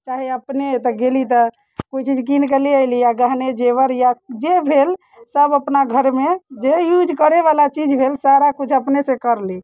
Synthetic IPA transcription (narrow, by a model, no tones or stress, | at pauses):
t͡ʃaɦiəpnet̪əɡelit̪ɔ | koit͡ʃid͡ʒkinkeliəɪlijaɡaɦned͡ʒeβəɾjad͡ʒebʱel | səbəpnaɡʱəɾmed͡ʒejud͡ʒkəɾeβalat͡ʃid͡ʒbʱelsaɾakut͡ʃʰəpnesekəɾli